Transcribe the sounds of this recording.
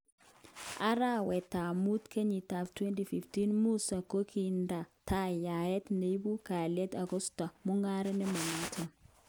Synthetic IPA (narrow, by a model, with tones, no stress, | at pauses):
ʔa˦ɾa˦wɛ˨ta˨mu˦tkʰe˦ɲi˨ta˨ftwɛ˦nti˨fi˨fti˦nmu˦sa˨ko˦kʰi˨nda˨tʰa˦ja˨jɛ˦tne˨˦bu˦ka˨lɛ˦ta˨ɡɔ˦sta˨mʊ˦ŋa˦ɾɛ˦nɪ˦ma˨na˦tʰɔ˨